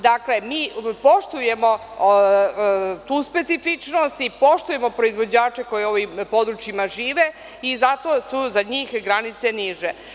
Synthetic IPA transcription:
d̪akle̞miːpo̞ʃt̪uje̞mo̞ | t̪uːspe̞t̪sifit͡ʃno̞st̪ipo̞ʃt̪uje̞mo̞pɾo̞izʋo̞d͡ʑaːt͡ʃe̞ko̞jeo̞ʋimpo̞d̪ɾut͡ʃjimaʒiːʋe̞ | izat̪o̞suzaɲiːxɡɾanit̪se̞niʒe

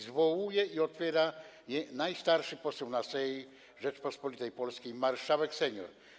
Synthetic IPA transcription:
zvɔwujɛiɔt̪fʲjɛɾa | jɛnajst̪aɾʂɘpɔsuwnasɛji | ʐɛt͡ʂpɔspɔlʲit̪ɛjpɔlskʲejmaɾʂawɛksɛɲɔ̰ɾ

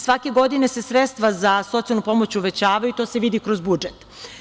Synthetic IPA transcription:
sʋake̞ɡo̞d̪ine̞se̞sɾet̪st̪ʋazaso̞t̪ialnupo̞mot͡ɕuʋe̞t͡ɕaːʋajut̪o̞ːseʋid̪ikɾozbud͡ʒet̪

